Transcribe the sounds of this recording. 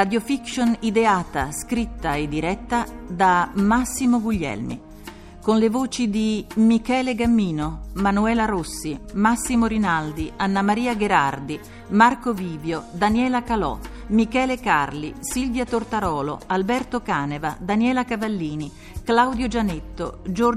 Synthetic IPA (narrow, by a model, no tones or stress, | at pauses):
rad̪jofikʃonid̪eaːt̪a̰skɾit̪ːaed̪iɾɛt̪ːad̪amasːimoɡuʎːɛ̰lmḭ | konlevoːt͡ʃid̪imikɛːleɡamːiːnomanuɛːlaɾosːimasːimoɾinald̪ianːamaɾiːaɡeɾard̪i | markoviːbjod̪anjɛːlakalɔ̰ | mikɛːlekarlisilvjat̪ort̪aɾɔːlo̰albɛrt̪okaːnevad̪anjɛːlakavalːiːni | klawd̪jod͡ʒanet̪ːo̰d͡ʒo